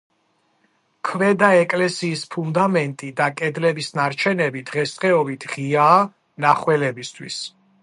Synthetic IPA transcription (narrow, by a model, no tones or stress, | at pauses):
kʰvɛd̪aɛkʼlɛsiːspʰund̪amɛnt̪ʼid̪akʼɛd̪lɛbisnaɾt͡ʃʰɛnɛbid̪̥ʁɛsχɛɔbit̪ʰʁiaː | naχwɛlɛbist̪ʰwḭs